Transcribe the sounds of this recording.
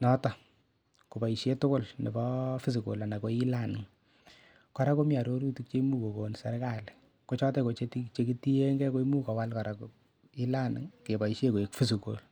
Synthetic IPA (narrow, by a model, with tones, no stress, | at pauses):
nɔ˦tɔ˨ | ku˨ba˨i˨ʃje˦tʊ˦kʊ˦˨lnḛ˨bɔ˦fi˦s̬i˨ko̰˨la˨na˨ko˦i˦la˦˨nɪ˨ŋ | ka˦ɾa˦ko˦mia˨ɾo˦ɾu˦tu˦k̚t͡ʃe˦mu˦ko˨ko˨nsa˨rka˨lɪ | ko˦t͡ʃɔ˦tɛ˦ko˨t͡ʃetit͡ʃe˦ki˦ti˦e˦ŋɡɛ˦ko˦i˦mu˦kɔ˨wa˦lka˨ɾa˨ko | i˦la˦nɪ̰ŋke˨ba˨i˨ʃje˦ko˨e˨kfi˦s̬i˨ko̰˨l